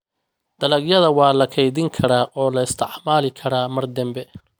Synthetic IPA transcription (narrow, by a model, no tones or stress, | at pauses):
d̪̥ɐlɐɡjɐðɐwɑːlɐkʰɛjðɪŋkʰɐɾaːʔɔːlɐɪst̪ʰɪʕmaːlɪkʰɐɾaːmɐrd̪ɐmbɛ